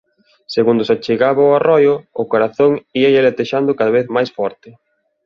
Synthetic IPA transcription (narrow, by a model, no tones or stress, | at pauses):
seɣund̪ʊsat͡ʃeɣaβaʊarʔɔjʊʊkoɾaθoŋiejelat̪eʃand̪ʊkaðaβeθmajsfɔɾt̪ɪ